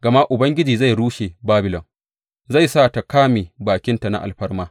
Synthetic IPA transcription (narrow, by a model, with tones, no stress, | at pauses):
ɡɐ˨ma˦ʔʊ˨bɐ˦ŋɡʲɪ˦d͡ʒiː˨za˦˨jɽuː˦ʃeː˨baː˦bɪ˨lɔ˨ŋ | za˦˨jsaː˦˨ta˨kaː˦meː˨baː˨kʲɪ˦nta˨na̰˦ʔa̰˨lɸɐ˦rmaː˦